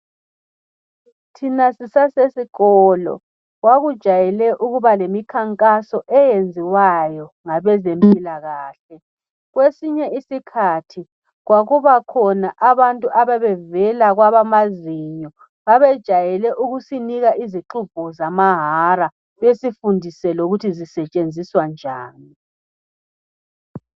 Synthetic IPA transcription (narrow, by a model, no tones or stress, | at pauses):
tʰinasisasesiɣɔlɔ̰ | ɣwaɣud̥ʒ̥ʱajɛlɛʔuɣuβalemikʰaŋkʼasɔʔɛjend͡zʱiwajɔŋaβɛzempʼilaɣaːɬɛ | ɣwesiɲɛisikʰatʰi | ɣwaɣuβakʰɔnaʔaβantʼuʔaβɛβɛvɛlaɣwaβamaziɲɔ | βaβɛd̥ʒ̥ʱajɛlɛʔuɣusiniɣaʔiziǁub̥ʱuzamaɦaɾa | βesifundʱisɛloɣutʰizisɛt͡ʃʼend͡zʱiswand͡ʒʱaːni